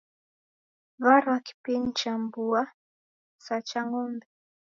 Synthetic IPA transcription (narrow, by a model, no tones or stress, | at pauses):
vaɾwaki̥pin̩t͡ʃambua | sat͡ʃaŋɔmbɛ